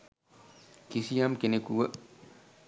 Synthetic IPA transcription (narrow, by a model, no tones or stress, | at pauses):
kisijamkenekuwə